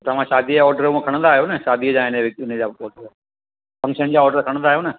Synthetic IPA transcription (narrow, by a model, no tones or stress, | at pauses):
t̪ɐʋ̤ãʃaːd̪ʱiɔːɖəɾũkʰəɽ̃nd̪aːɦjonɐʃaːd̪id͡ʑaːɪneʋɪɪn̤əd͡ʑaːɔːʈ | fɐ̃ŋkʃənd͡ʑaːɔːɖəɾkʰəɽ̃nd̪aːɦjoːnɐ